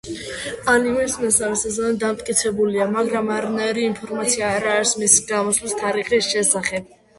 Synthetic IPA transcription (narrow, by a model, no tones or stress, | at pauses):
animɛsmɛsaɾisazanɛd̪amt̪ʼkʼit̪sʰɛbuliamaɡɾamaɾanaiɾiːnpʰɔɾmat̪sʰiaːɾaːɾsmisi̥ɡamɔslist̪ʰaɾiχisʃɛsaχɛb̥̚